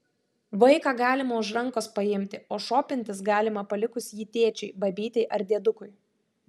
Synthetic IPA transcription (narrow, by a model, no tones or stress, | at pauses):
ʋɐɪkɑːɡɑːlʲɪmɐʊʃɾɐŋkoːspɐɪmʲt̪ʲɪoːʃoːpʲɪnʲt̪ʲɪsɡɑːlʲɪmɐpɐlʲɪkʊsjiːt̪ʲeːt͡ʃʲɛɪbɐbʲiːt̪ʲɛɪʔɐɾʲd̪ʲeɛd̪ʊkʊɪ